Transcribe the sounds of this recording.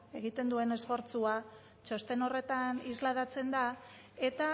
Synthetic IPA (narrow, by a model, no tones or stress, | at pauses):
e̞ɣit̪e̞nd̪ue̞ne̞sfo̞ɾt͡sua | t͡ʃo̞st̪e̞no̞re̞t̪anizlaðat͡se̞nd̪a | e̞t̪a